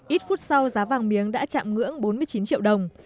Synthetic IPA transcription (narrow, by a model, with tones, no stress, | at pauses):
ʔi˦˥t̚fu˦˥t̚sa˧wzaː˨˦vaː˨˩ŋmi˨˦əŋɗa̰ː˧˥t͡ɕa̰ː˧˨mŋɨ̰˧˥əŋɓo˨˦nmɨ˧əjt͡ɕi˨˦nt͡ɕḭ˧˨əwɗə˨˩wŋ͡m